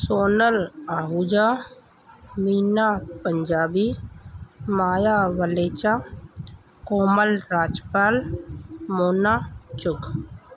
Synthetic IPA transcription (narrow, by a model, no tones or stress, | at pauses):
soːnəlaːɦud͡ʒa | miːnapəɲd͡ʒaːbi | maːjaʋəleːt͡ʃa | koːməlɾaːd͡ʒpaːl | moːnat͡ʃʊk